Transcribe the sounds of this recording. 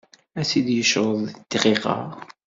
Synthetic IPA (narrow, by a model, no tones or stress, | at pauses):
æsid̪jəʃɾˤəðˤt̪ːʁiqɑ̰ʁ